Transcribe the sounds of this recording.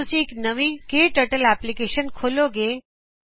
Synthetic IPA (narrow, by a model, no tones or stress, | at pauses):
ʊsiknɐʋikeːʈəʈəlɛːplikeːʃənkʰoːloɡeː